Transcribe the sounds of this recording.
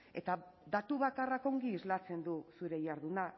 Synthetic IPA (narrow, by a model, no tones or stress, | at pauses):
e̞̰t̪aðat̪uβakarako̞ŋɡiːzlat͡se̞nd̪usuɾe̞jaɾðuna